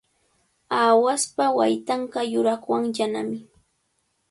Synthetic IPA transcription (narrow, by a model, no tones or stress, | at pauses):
aːwaspawajt̪aɴɢɑjʊɾaχwaŋjana̰mɪ